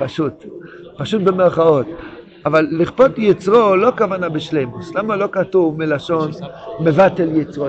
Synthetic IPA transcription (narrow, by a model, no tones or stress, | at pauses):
paʃut̪paʃut̚bemeʁχao̞t̪ | avalːiχpotjit͡sʁolo̞kavanabeʃlejmuslamalo̞katuvmilaʃo̞nmevat̪eljit͡sʁo